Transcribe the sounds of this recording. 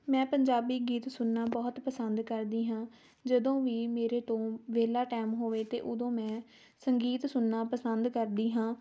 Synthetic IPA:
mɛ̃ːpəɲd͡ʒaːbiːɡiːt̪sʊnːaːbɔːt̪pəsənd̪kəɾd̪iːɦãː | d͡ʒəd̪õːʋiːmeːɾeːt̪õːʋeːlaːʈɛːmɦoːʋeːt̪ḛːʔʊd̪õːmɛ̃ː | səŋɡiːt̪sʊnːaːpəsənd̪kəɾd̪iːɦãː

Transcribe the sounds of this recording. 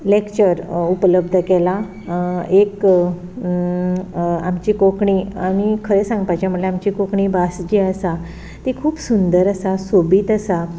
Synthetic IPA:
lekt͡ɕəɾupələb̚d̪ʱəkela | ek | a̰mt͡ɕiːkokɳiamikʰəɾesãŋɡpajt͡ɕjamuɽleamt͡ɕikokɳiːbasd͡ʑiːəsa | t̪ikʰuːpsund̪əɾəsasobiːt̪əsa

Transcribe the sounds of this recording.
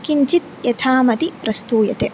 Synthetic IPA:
kiɲt͡ʃit̪̚jɐt̪ʰaːmɐt̪ipɾɐst̪uːjɐt̪e

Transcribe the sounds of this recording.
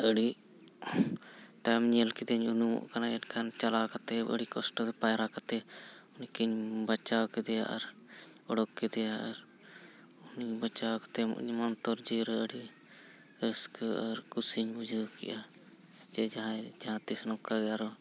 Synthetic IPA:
əɽi | ʈajmɲɛlkɛd̪ɛɲunumɔ̰ʔkanaɛʈkʰant͡ʃalakat̪ɛə̰ɽikɔsʈɔd̪ɛpajɾakat̪ɛunikiɲbat͡ʃawkɛd̪ɛja̰ʔaɾ | ɔɽɔkkːɛd̪ɛjaʔaɾ | unibat͡ʃawkḁt̪ɛmɔ̰ʔɲmant̪ɔɾd͡ʒiɾɛəɽi | ɾəskaɾkusiɲud͡ʒəkɛ̰ʔa | d͡ʒɛd͡ʒaɦãd͡ʒaɦãt̪isnɔkːaɡɛjaɾɔ

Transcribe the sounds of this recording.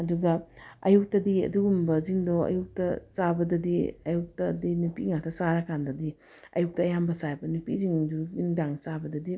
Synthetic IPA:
ɐduɡɐɐ̰juk̚tɐdiɐ̰duɡumbɐziŋdoɐ̰juk̚tɐt͡ʃabɐdɐdiɐjuk̚tɐdinupiŋatʰɐsaɾakʰandɐdi | ɐ̰juk̚tɐːjambɐsabɐnupiziŋduindaŋt͡ʃabɐdɐdi

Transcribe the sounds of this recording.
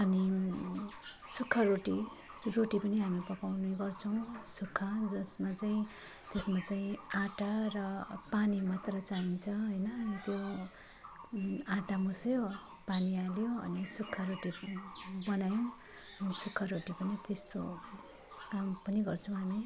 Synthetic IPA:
ʌni | sukʰːaroʈi | roʈipʌniɦamipʌkawnuɡʌrt͡sʰʌw̃sukʰːad͡zʌsmat͡saĩ | t̪esmat͡saĩãʈarʌpanimat̪rʌt͡saɦint͡sʰʌɦʌjnʌnit̪jo | ãʈamusjo | panialjoʌ̰nisukʰːaɾoʈi | bʌnajõ | ʌnisukʰːʌɾoʈipʌnit̪est̪o̰ | kampʌniɡʌrt͡sʰʌw̃ɦami

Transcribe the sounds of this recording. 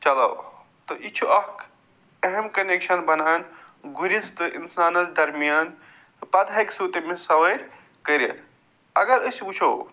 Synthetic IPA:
t͡ʃɐlɐ̰w | t̪ɔʔit͡ʃʰuʔɐk | eɦemkɐnekʃɐnbɐnaːnɡuɾist̪ɨʔḭnsaːnɐld̪ɐɾmijaːn | pɐd̪aksuːt̪emẽsɐʋɐjɾ | kɐɾḛt̪ʰ | ɐɡɐɾɨsbut͡ʃʰɐw

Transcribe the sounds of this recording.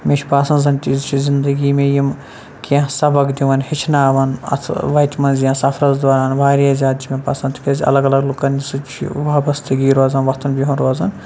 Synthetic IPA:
mʲet͡ʃʰʲpaːsɐnd̪zɐnʲt̪iːzt͡ʃʰizind̪ɐɡiːmeːjim | kʲeɦsɐbɐkd̪iʋɐnhit͡ʃʰnaːʋɐnɐ̰t̪ʰʋɐjt̪ʰʲmɐnzijãːsɐfɾɐzd̪oːɾaːnʋaːɾijaːzʲaːd̪t͡ʃʰimẽpɐsɐnt̪kʲɐzʲɐ̰lɐɡɐlɐɡlukɐnʲisɨt͡ʃʰḭʋaːbɐst̪ɐɡiːɾoːzɐnʋɐt̪ʰɐnbʲiɦunɾoːzɐn

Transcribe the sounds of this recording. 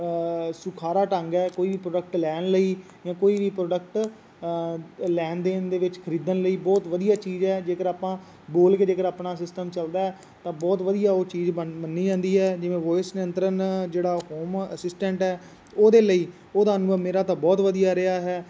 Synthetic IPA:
sʊkʰaːɾaːʈəŋɡɛːkoːiːʋiːpɾoːɖək̚ʈlɛːnləiː | jãːkoːiːʋiːpɾoːɖək̚ʈ | lɛːnd̪eːnd̪eːʋɪt͡ʃkʰəɾiːd̪ənləiːbɔːt̪ʋəd̪ijaːt͡ʃiːzɛːd͡ʒeːkəɾaːpãː | boːlkeːd͡ʒeːkəɾaːpnaːsɪsʈəmt͡ʃəld̪aːɦɛː | t̪ãːbɔːt̪ʋəd̪ijaːoːt͡ʃiːzəbənːiːd͡ʒãːnd̪iːɦɛːd͡ʒɪʋẽːʋɔːɪsnɪə̃nt̪ɾənd͡ʒeːɽaːɦoːməsɪsʈɛ̃ɳʈɦɛː | oːd̪eːləiː | oːd̪aːənʊːəmeːɾaːt̪ãːbɔːt̪ʋəd̪ijaːɾɪaːɦɛː

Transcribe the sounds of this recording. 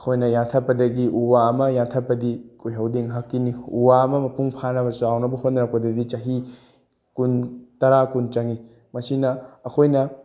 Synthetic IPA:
ɐkʰojnɐjantʰɐpːɐdɐɡiʔuwaɐmɐjantʰɐpːɐdikujɦɐwdeŋɦɐkːiniuwaɐmɐmɐpuŋpʰanɐbɐsuawnɐbɐɦot̚nɐɾɐk̚pɐdɐdit͡ʃɐɦi | kuntɐɾakunt͡ʃɐŋi | mɐsinɐːkʰojnɐ

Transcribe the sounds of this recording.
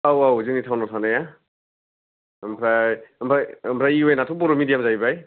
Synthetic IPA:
awawziŋnitʰawnɔtʰanaja | mpʰɾampʰɾampʰɾaiojnatʰup̬ɔɾɔmidijamzajbaj

